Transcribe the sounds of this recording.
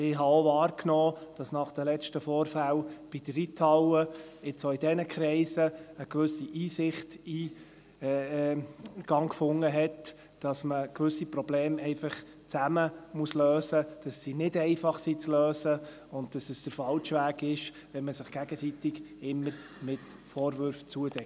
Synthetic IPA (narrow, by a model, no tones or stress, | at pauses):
ɪɦɑoʋɑːɾkʰnɔːd̥ɑsnɑχd̥əlɛʃtəfɔːɾfælb̥id̥əitʰɑwəɪt͡soɪd̥ɛnəkʰɾɛɪsəəkʋʏsiʔiːsɪχtiː | ɡ̥ɑŋkfʊŋːəɦɛt | d̥ɑsməkʋʏsːipɾɔbleːmɛɪfɑχ | t͡sæməmuəsløːsəd̥ɑsːinɪdɛɪfɑχsit͡sløːsə | ʊnt̚d̥ɑsəsd̥əɾfɑlʃʋæːɡɪʃ | ʋɛnməsɪχɡ̥æɡəsitɪɡɪmːəɾ | mɪtfɔːɾvʏɾft͡suədɛ